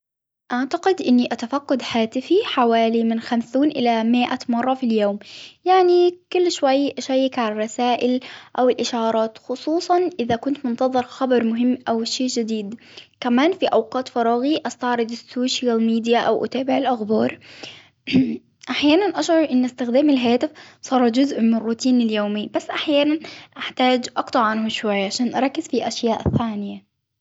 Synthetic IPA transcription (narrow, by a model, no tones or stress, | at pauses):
ʔaʕt̪aqɪd̪ʔɪnːiʔat̪afaqːɑd̪ħaːt̪ɪfiħawaːlimɪnxamsuːnʔɪlamɪʔamɑrˤːɑfiljoːmjaʕnikʊlːʃwajːʃajːɪkʕalarˤːɑsaːʔɪlʔawɪlʔɪʃɑːɾˤɑːt̪xʊsˤuːsˤɑnʔɪðakʊnt̪mʊnt̪ɑðˤɨɾˤxɑbɑɾˤmʊɦɪmːʔawʃeːd͡ʒɪd̪iːd̪ | kamaːnfiʔawqɑːt̪fɑɾˤɑːɣiʔɑst̪ɑʕɾˤɨd̪ɪsːoːʃjalmiːd̪jaʔawʔʊ̰t̪aːbɪʕɪlʔaxbɑːɾˤ | ʔaħjaːnanʔaʃʕɑɾˤʔɪnːɪst̪ɪxd̪aːmɪlɦaːt̪ɪfsˤɑːɾˤd͡ʒʊzʔmɪnrːuːt̪iːnɪljoːmɪjːbasːʔaħjaːnanʔaħt̪aːd͡ʒʔɑqt̪ˤɑʕʕanhʊʃwajːʕaʃaːnʔɑɾˤɑkːɪz̥fiʔaʃjaːʔθːaːnɪja